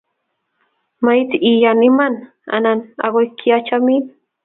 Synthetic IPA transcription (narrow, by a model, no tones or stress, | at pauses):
majt̪iʔijaniman | a̰nana̰ɢojkʰiat͡ʃamin